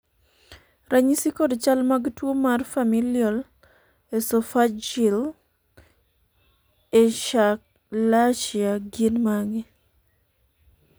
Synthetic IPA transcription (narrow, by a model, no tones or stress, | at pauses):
ɾʔaɲisikodt͡ʃalmaɡtwomarfamiljɔl | esofad͡ʒil | eʃak̚ | laʃiaɡinmaŋe